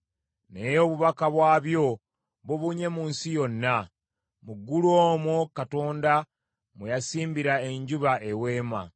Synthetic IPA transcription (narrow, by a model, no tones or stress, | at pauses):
nejo̞βuβakaβwaːβjo̞ | βuβuɲe̞muːnsijo̞nːa | muɡːuloːmokato̞ːnda | mujasiːmbiɾae̞ɲɟuβaewe̞ːma̰